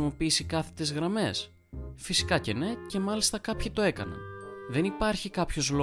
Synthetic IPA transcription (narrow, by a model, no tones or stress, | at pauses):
mo̞piːsikɐθe̞̥t̪izɣɾɐme̞s | fisi̥kɐce̞ne̞ce̞mɐlist̪ɐkɐpçit̪o̞e̞kɐ̰nɐ̰ðe̞nipɐɾçikɐpço̞zlo